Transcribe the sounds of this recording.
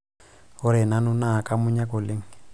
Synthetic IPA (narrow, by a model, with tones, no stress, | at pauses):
hʊ˦ɾɛ˨na˦nʊ˦na˦˨kʼa˦mʊ˦ɲa˦ko˨le˦ŋ̩